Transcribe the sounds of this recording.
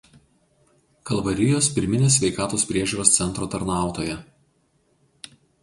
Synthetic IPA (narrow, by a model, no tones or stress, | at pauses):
kɐlˠʋɐɾʲɪjoːspʲɪɾʲmʲɪnʲeːs̬ʲʋʲɛɪkɑːt̪oːspʲɾʲiɛʒʲuːɾoːst̪sʲɛnt̪ɾoːt̪ɐɾnɑˑʊt̪oːjɛ